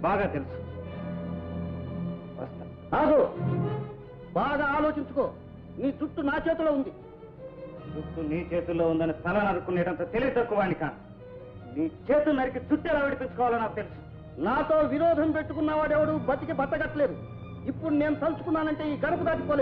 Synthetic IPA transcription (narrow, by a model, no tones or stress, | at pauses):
baːɡaːt̪elusu | ʋɐ̰st̪ɐ | aːɡoː | baːɡaːlo̞ːt͡ʃiɲt͡ʃuko̞ː | niːd͡ʒuʈːunaːt͡ʃe̞ːt̪uloːund̪i | d͡zuʈːuniːt͡ʃe̞ːt̪ulːo̞ːund̪ɐnist̪ʰɐlaːnɐɾukːunːɛːʈɐnt̪oːt̪e̞liɡit̪ɐkːuʋaːnikaːni | niːt͡ʃe̞ːt̪unɐɾik̬id͡ʒuʈːɛːlaːʋiɽipint͡ʃukɔːʋaːlɐnːaːkut̪e̞lusun | naːt̪o̞ːʋiɾɔːd̪ʱɐmpe̞ʈːukunːaʋaːɽɛʋɐɽubɐt̪ːikibʱɐt̪ːɐɡɐʈːɐle̞ːd̪u | ipːuɽune̞ːnut̪ɐlsu̥kunːaːnɐɳʈe̞ːiːɡɐɽɐp̬ɐd̪aːʈ̬ipoːleː